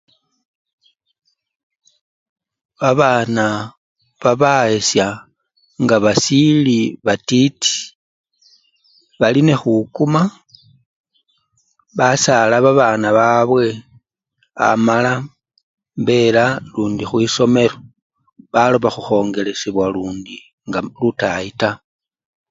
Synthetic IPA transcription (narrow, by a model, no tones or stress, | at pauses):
βaβaːna | βaβaesja | ŋɡaβasiliβatiti̥ | βaline̞xukuma | βasalaβaβaːnaβaβwe̞ | a̰mala | mbe̞laluːndixwiːso̞me̞ɾo̞ | βaloβaxuxo̞ːŋɡe̞le̞siβwaluːndi | ŋɡalutaita